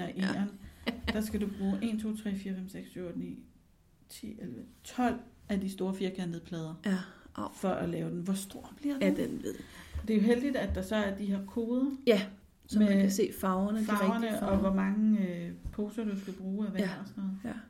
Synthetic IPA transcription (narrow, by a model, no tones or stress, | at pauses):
ɐʔeːɐnd̥ɑ̈sɡ̥ædub̥ʁuːʔe̝nt͡sʰo̝̰ːt͡sʰʁɛ̰ːfiːɐfemseɡ̥ssynḭː | t͡sʰḭːelʋət͡sʰɒ̽l̰æd̥isd̥o̝ːɐfiːɐkʰæneðˠpʰlɛːð̞ˠɐ | fɒ̽ʔælɛːʊd̥enʋɒsd̥o̝ɐ̰b̥liɐded̥enʋeð̰d̥e̝jo̝ɦeld̥id̥æd̥ɑ̈sɒ̽æɐd̥ihɑɐkʰo̝ːðˠjæ | smese̝̰ːfɑ̈ʊɐnəfʊɐnəɒ̽ʋɒmɑ̈ŋəøpʰo̝ːsɐd̥usɡ̥æb̥ʁuːæʋæɒsnɔð̩ˠ